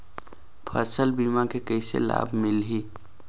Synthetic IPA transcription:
pʰəsəlbiːmãkekəɪsḛla̰bʱmɪlɦi

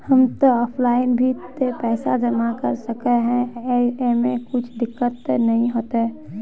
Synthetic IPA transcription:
hɐmt̪oɔːpʰlaːɪnbʱit̪epɛːsad͡ʒɐmakɐɾsɐkeɦɛ̃emẽkʊt͡ʃʰd̪ɪkːət̪nɐɦĩɦoːt̪eɦɛ

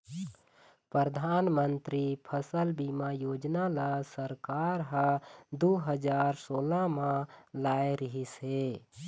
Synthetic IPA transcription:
pɾəɾəd̪ʱaːnmənt̪ɾipʰəsəlbimajoːd͡ʒnalasəɾkaɾɦə̃d̪uɦəd͡ʒaːɾsoːlamãlaeɾəɦisɦe

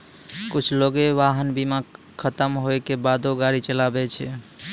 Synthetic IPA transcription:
kut͡ʃʰloɡeʋaɦənbima | kʰət̪əmɦoekebad̪oɡaɾit͡ʃəlabɛt͡ʃʰɛ

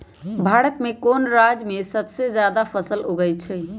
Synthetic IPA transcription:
bʱaɽət̪mekonɾad͡ʒmesəbsed͡ʒjad̪apʰəsəloɡəjt͡ʃʰɛ

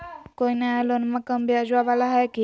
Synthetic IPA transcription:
koinaɦlonmakəmbʱiad͡ʒʋaʋalaɦɛki

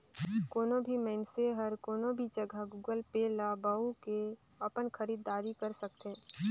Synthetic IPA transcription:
koːnõbʱimɛːnseɦəɾkoːnõbʱid͡ʒəɡʱəɡuːɡəlpeːlabaːuke | əpənxʰəɾiːd̪aːɾikəɾsək̚t̪e

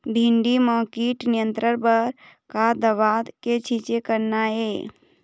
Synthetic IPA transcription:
b̪ʱĩɳɖimaːkiʈnijə̃nt̪ɾəɾbəɾ | kad̪əʋad̪ket͡ʃʰit͡ʃekəɾnae

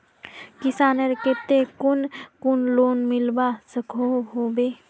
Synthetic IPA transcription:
kɪsaːnəɾket̪ekʊnkʊnloːnmɪlbasəkʰoɦoːbeː

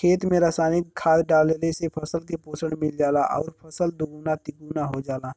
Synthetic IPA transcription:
kʰeːt̪mẽɾaːsaːnɪkkʰːaːd̪ɖaːlelesepʰəsəlk̬epoːsəɽmɪld͡ʒaːlaʔɔ̰ːɾpʰəsəld̪uɡuːnat̪ɪkuːnaɦod͡ʒaːla

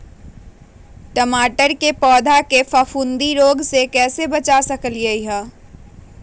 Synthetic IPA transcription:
ʈəmaːʈəɾkepɔːd̪ʱakefəfʰund̪iɾoːɡsekɛːsebət͡ʃasəkəliəiɦə̃ː

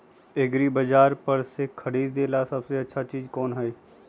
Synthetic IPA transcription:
ɪɡɾiːbəd͡ʒaːɾpəɾsekʰəɽiːd̪d̪eːlasɐbseɐtːʃʰat͡ʃiːd͡ʒkɔːnɦɛeː

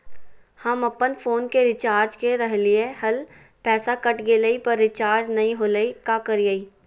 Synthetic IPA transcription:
hɐmɐpənfʰoːnkeɾɪt͡ʃaːɾd͡ʒkeɾəɦlɪeɦɐl | pɛːsakɐʈɡeːləipɐɾːɪt͡ʃaːɾd͡ʒnɐĩɦoːləikakɐɾijaːiː

